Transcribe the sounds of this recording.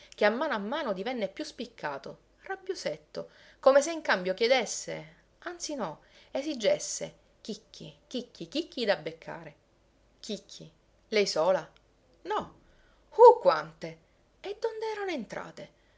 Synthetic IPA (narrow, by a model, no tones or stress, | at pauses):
k̟eamːaːnoamːaːnod̪ivɛnːepjuspikʰːaːt̪o | rabːjoset̪ːo | komes̬eiŋkambjok̟jed̪esːḛ | ant̪sinɔesid͡ʒːesːḛ | k̟ikʰːḭk̟ikːikikːid̪abːekʰːa̰ːɾe | k̟ikʰːi | lɛjsoːla | nɔ | fukːwant̪e | ed̪ːond̪eɛːɾanoent̪ɾa̰ːt̪e